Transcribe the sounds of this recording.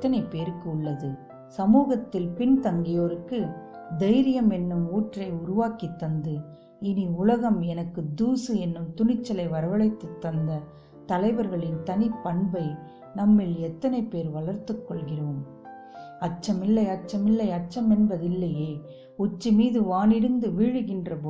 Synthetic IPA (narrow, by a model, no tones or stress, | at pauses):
t̪ːɐnɐɪpːeːɾɯkːɯʊɭːɐðɯ | sɐmuːɣɐt̪ːɪlpɪnt̪ɐŋɡɪjoːɾɯkːɯ | d̪ɐɪɾɪjɐmɛnːɯmuːʈrɐɪʊɾʊʋaːkit̪ːɐnd̪ɯ | ɪniʊlɐɣɐmɛnɐkːɯd̪uːsɯɛnːɯmt̪ʊɳɪt͡ʃːɐlɐɪʋɐɾɐʋɐɭɐɪt̪ːɯt̪ːɐnd̪ɐ | t̪ɐlɐɪʋɐɾɣɐɭɪnt̪ɐnipːɐɳbɐɪ | nɐmːɪlɛt̪ːɐnɐɪpeːɾʋɐɭɐɾt̪ːɯkːɔɭɣɪrɐɯm | ɐt͡ʃːɐmɪlːɐɪɐt͡ʃːɐmɪlːɐɪɐt͡ʃːɐmɛnbɐðɪlːɐjeː | ʊt͡ʃːimiːðɯʋaːnɪɽɯnd̪ɯʋiːɻɯɣɪndrɐpoː